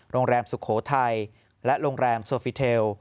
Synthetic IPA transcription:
ɾoː˧ŋɾɛː˧msu˨˩kʰoː˩˦t̪ʰa˧j | lɛ˦˥ʔɾoː˧ŋɾɛː˧msoː˧fi˧˩t̪ʰeː˧w

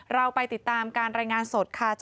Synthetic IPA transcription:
ɾa˧wpa˧jt̪i˨˩t̪ːaː˧mkaː˧nɾaː˧jŋaː˧nso˨˩t̪̚kʰaː˧˩t͡ɕ

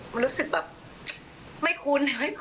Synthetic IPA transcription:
ma˧nɾuː˦˥sɯ˨˩k̚bɛː˨˩p̚ | ma˥˩jkʰu˧n˩ma˥˩

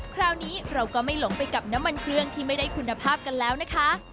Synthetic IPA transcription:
kʰɾaː˧˥wniː˦˥ɾa˧wkɔː˥˩ma˥˩jlo˩˦ŋpa˧jka˨˩p̚na˦˥mːa˧nkʰɾɯ˥˩əŋt̪ʰiː˥˩ma˥˩jda˥˩jkʰu˧nːa˧pʰaː˥˩p̚ka˧nlɛː˦˥wna˦˥kʰa˦˥

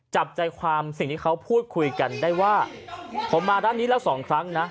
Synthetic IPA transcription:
t͡ɕa˨˩p̚t͡ɕa˧jkʰwaː˧msi˨˩ŋt̪ʰiː˥˩kʰa˦˥wpʰuː˥˩t̪̚kʰu˧jka˧ndaː˥˩jwaː˥˩pʰo˩˦mːaː˧daː˥˩nːiː˦˥lɛː˦˥wsɔː˩˦ŋkʰɾa˦˥ŋna˦˥

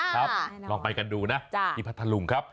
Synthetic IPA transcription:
kʰɾa˦˥p̚lɔː˧ŋpa˧jka˧nduː˧na˦˥ʔiː˧pʰa˦˥t̪ʰːa˧lu˧ŋkʰa˦˥p̚

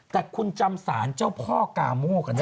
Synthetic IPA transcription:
t̪ɛː˨˩kʰu˧nt͡ɕa˧msaː˩˦nt͡ɕa˥˩wpʰɔː˥˩ka̰ː˨˩mɔː˥˩ka˧˩n

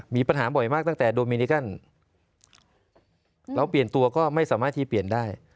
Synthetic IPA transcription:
miː˧pa˧nɦaː˩˦bɔ˨˩jmaː˥˩k̚t̪a˥˩t̪ɛː˨˩doː˧mi˧ni˧˦˥ka˥˩n | ɾɛ˦˥˩wpli˨˩ənt̪u˧ɐkɔː˥˩ma˥˩jsaː˩˦maː˥˩t̪ʰːiː˥˩pi˨˩əndaː˥˩j

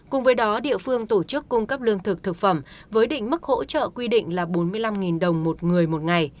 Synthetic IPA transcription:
kʊ˨˩ŋ͡mvəː˨˦jɗɔ˨˦ɗḭ˧˨əfɨ˧əŋt̪o˧˩t͡ɕɨ˦˥kːʊ˧ŋ͡mkə˦˥p̚lɨ˧əŋt̪ʰɨ˨˩k̚t̪ʰɨ˨˩k̚fə˧˩mvəː˨˦jɗḭ̈˧˨ŋ̟mɨ˦˥k̚ho̰˧˥t͡ɕə̰ː˧˨kwi˧ɗḭ˧˨ŋ̟laː˨˩ɓo˨˦nmɨ˧əjla˧mŋi˨˩nɗə˨˩wŋ͡mmo˨˩t̚ŋɨ˨˩əjmo˨˩t̚ŋa˨˩j

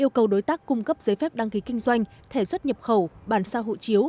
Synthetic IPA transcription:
ʔi˧əwkə˨˩wɗo˨˦jt̪aː˦˥kːʊ˧ŋ͡mkə˦˥p̚zəː˨˦jfɛ˦˥p̚ɗa˧ŋki˨˦kï˧ŋ̟zwa˧jŋ̟t̪ʰe˧˩swə˦˥t̚ɲə˨˩p̚xə˧˩wɓaː˧˩nsaː˧ɦo̰˧˨jt͡ɕi˨˦əw

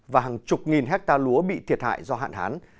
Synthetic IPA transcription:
vaː˨˩ɦaː˨˩ŋt͡ɕʊ˨˩k͡p̚ŋi˨˩nɦɛ˦˥k̚t̪aː˧lu˨˦əɓḭ˧˨t̪ʰi˨˩ət̚ha̰ː˧˨jzɔ˧ɦa̰ː˧˨nhaː˨˦n

